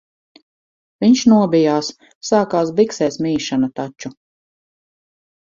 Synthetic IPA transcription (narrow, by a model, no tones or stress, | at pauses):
viɲʃnuɔbijaːs | saːkaːs̬biksɛːsmiːʃanat̪at͡ʃu